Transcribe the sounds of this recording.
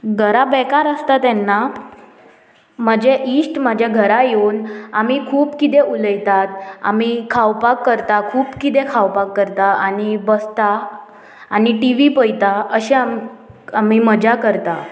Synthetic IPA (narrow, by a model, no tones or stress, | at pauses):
ɡʱəɾabɛkaɾəst̪at̪ɛnːa | məd͡ʑeʔisʈməd͡ʑʱjaɡʱəɾajeunamikʰuːpkit̪̬euləjt̪at̪a̰mikʰawpakːəɾt̪akʰuːpkit̪̬ekʰawpakːəɾt̪aʔanibəst̪aː | niʈiʋipəjt̪aəɕeam | amiməd͡ʑakəɾt̪a